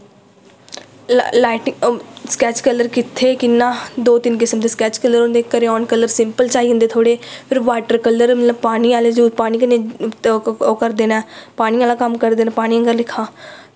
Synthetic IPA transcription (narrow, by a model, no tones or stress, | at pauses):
laːʈskɛːt͡ʃkələɾkɪt̪ʰːeːkɪnːãːd̪oːt̪ɪnkɪsəmd̪eːskɛːt͡ʃkəlːəɾond̪eːkəɾeːɔːnkəlːəɾsɪmpəlt͡ʃaːiːɦʊnd̪eːt̪ʰoːɽeːpʰɪɾʋaːʈəɾkəlːəɾməbpaːniːaːleːd͡ʒuːpaːniːkənẽː | okəɾd̪eːnɛːpaːñiːaːlãːkəmkəɾd̪eːnɛ̃ːpaːɽ̃iːãɡəɾlɪkʰːãː